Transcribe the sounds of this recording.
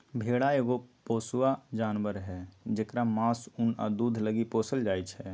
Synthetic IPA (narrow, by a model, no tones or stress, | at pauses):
bʱeɽaeːɡopoːsuwad͡ʒaːnʋəɾɦɛd͡ʒekɾamãːsuna̰d̪ud̪ʱləɡipoːsəld͡ʒaːjt͡ʃʰɛ